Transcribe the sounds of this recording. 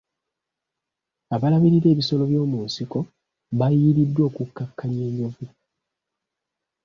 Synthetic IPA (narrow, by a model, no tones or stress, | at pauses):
aβalaβiɾiɾe̞ːβiso̞lo̞βjo̞ːmuːnsiko̞ | βajiːɾidːwo̞ːkukːakːaɲe̞ːɲovu